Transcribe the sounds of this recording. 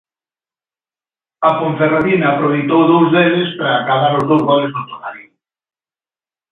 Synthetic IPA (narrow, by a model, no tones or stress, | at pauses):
ɐkoɱθeraðinaːpɾoβ̞ejt̪owðowzðeðespɾaːkaβaɾʊzðowzɣɔleznʊt̪onaɾjo